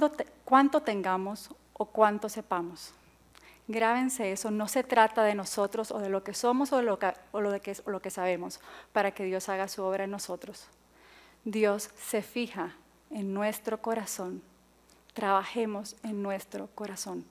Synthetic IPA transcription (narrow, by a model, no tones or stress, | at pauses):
kwant̪o̞t̪e̞ŋɡamo̞s | okwant̪o̞se̞pamo̞s | ɡɾaβe̞nse̞e̞so̞no̞se̞t̪ɾat̪aðe̞no̞so̞t̪ɾo̞so̰ðe̞lo̞ke̞so̞mosoðoloðeeolo̞kesaβ̞e̞mo̞spaɾake̞ðjo̞saɣasuo̞β̞ɾʔaenːo̞sot̪ɾo̞s | d̪jo̞sːe̞fixa | enːwe̞st̪ɾo̞ko̞ɾasõ̞n | t̪ɾaβaxe̞mo̞se̞nːwe̞st̪ɾo̞ko̞ɾasõ̞n